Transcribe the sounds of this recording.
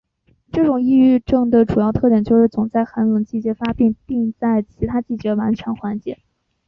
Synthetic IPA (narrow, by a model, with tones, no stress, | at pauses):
ʈ͡ʂɤ˥˩ʈ͡ʂʊ˨˩ŋi˥˧y˥˧ʈ͡ʂɤ˥˩ŋd̪ə˩ʈ͡ʂu˨˩jɑ˥˧ʊt̪ʰɤ˥˩t̪jɛ˨˩nt͡ɕjo˥˧ʊʂɻ̩˥˩t͡sʊ˨˩ŋt͡sa˥˩ɪxa˧˥nlə˧˥ŋt͡ɕi˥˩t͡ɕjɛ˧˥fa˥pi˥˧ŋpi˥˧ŋt͡sa˥˩ɪt͡ɕʰi˧˥t̪ʰa˥t͡ɕi˥˩t͡ɕɥɛ˧˥wa˧˥nt͡ɕʰɥɛ˧˥nxwa˧˥nt͡ɕjɛ̰˧˥